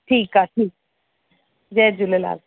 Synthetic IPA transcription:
ʈʰiːkaʈʰiːk̚ | d͡ʒɛd͡ʒʊlela̰ːl

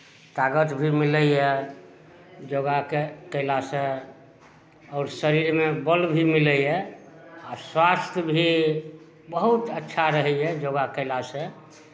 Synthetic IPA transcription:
t̪aɡət̪bʱimiləjɛ | d͡ʒoɡakekəɪlasə̃ | ɔːɾsəɾiɾmebəlbʱimiləjɛ | aswast̪ʰjəbʱi | bəɦut̪ətːʃʰaɾəɦɛɛd͡ʒoɡakəɪlasə̃

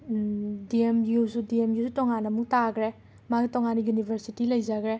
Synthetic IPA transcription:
diemjusudiemjusutɔŋanɐmuk̚taɡɾe | maɡitɔŋanijunibʱeɾsitilɐjzaɡɾe

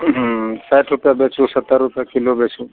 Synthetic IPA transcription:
sajʈɾupjabet͡ʃʰusət̪ːəɾɾupjakilobet͡ʃʰu

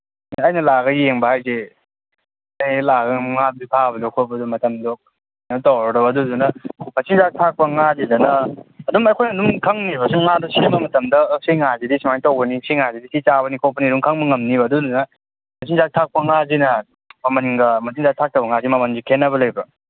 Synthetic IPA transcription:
ɐjnɐlaɡɐjeŋbɐhajze | ajlaɡɐŋmŋab̚dipʰabɐdokʰobɐdumɐtɐmdok̚ | nɐtowɾɐɾɔɐdudunɐmɐsʰiŋzak̚tʰak̚pɐŋazidɐnɐːdumɐjkʰojnɐdumkʰaŋniβɐsuŋadusimɐmɐtɐmdɐsiŋazidisʰimantowbɐnisʰiŋazidisit͡ʃaβɐnikʰopɐniɾuŋkʰaŋmɐŋɐmnibɐdudunɐ | mɐsʰiŋzak̚tʰak̚pɐŋazinɐ | mɐmaniŋɡɐmɐsʰiŋzak̚tʰak̚tɐwbɐŋazimɐmanzikʰenːɐβɐlɐjbɐ

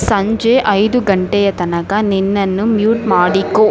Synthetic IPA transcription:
sɐɲd͡ʒeʔɐjd̪uɡɐɳʈɛjɐt̪ɐnɐkɐninːɐnːumjuːʈmaːɽikːoː

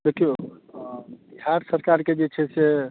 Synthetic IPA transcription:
d̪ekjo | biɦaɾsəɾkaɾked͡ʒet͡ʃʰɛse

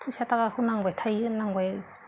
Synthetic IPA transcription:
pʰusataɡahunaŋwajtʰajnaŋwaj

